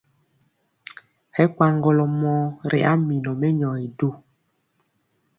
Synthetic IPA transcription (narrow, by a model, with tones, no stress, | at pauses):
hɛ˦kwa˦ŋɡɔ˨lɔ˨mɔ˦ɾḛ˨ʔa˦mi˨nɔ˨mɛ˦ɲɔ˨i˨do˦